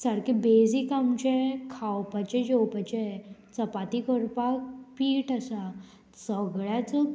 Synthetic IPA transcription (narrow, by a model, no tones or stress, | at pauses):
saɾkebed͡zikamt͡ɕekʰawpat͡ɕed͡ʑowpat͡ɕet͡səpat̪ikəɾpak̚piːʈasa | səɡɭjat͡sə